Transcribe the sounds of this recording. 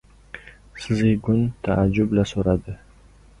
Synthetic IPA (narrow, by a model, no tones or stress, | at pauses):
sɪzeɡʊnt̪ʰaʔad͡ʒːʊblasoɾad̪ɪ